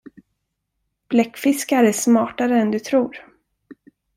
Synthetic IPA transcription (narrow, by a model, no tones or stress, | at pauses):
b̥lɛkːfɪskaɾæsmɑːʈaɾəɛnd̪ɵt̪ʰɾuːɾ